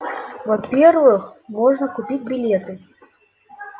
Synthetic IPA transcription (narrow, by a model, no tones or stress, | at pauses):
vɐpʲervɨxmɔʐnəkʊpʲit͡sʲbʲilʲet̪ɨ